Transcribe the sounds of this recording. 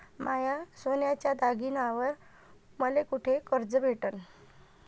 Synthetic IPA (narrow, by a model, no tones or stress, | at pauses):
majasonjat͡ɕjad̪aɡinaʋəɾ | məlekuʈʰekəɾd͡zəbʱeʈən